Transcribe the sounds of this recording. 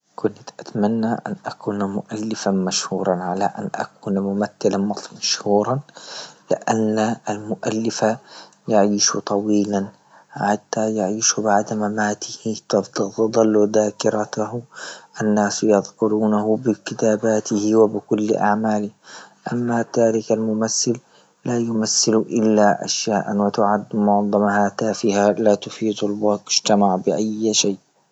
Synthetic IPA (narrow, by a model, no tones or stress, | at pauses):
kʊnt̪ʔat̪manːaʔa̰nʔakuːnmʊʔalːɪfanmaʃhuːɾˤɑnʕalaʔa̰nʔa̰kuːnmʊmaθːalamɑmaʃhuːɾˤɑnlɪʔanːaalmʊʔa̰lːɪfa | jaʕiːʃut̪ˤɑwiːlan | ħat̪ːajaʕiːʃubaʕd̪mamaːt̪ɪhɪtt̪d̪ˤɑlːud̪aːkɪɾat̪ahʔanːaːsjɑðkʊɾuːnahʊbɪkɪt̪aːbaːt̪ɪhɪwɪbɪkʊl̰ːʔa̰ʕmaːlɪʔamːat̪aːɾɪkalmʊmasːɪl | laːjʊmasːɪlʔɪlːaʔa̰ʃjaːʔanwɪt̪ʊʕad̪mʊʕðˤɑmhat̪aːfɪhalaːt̪ʊfiːd̪ˤalbɑkɪʒ̥t̪amaʕbɪʔajʃajːʔ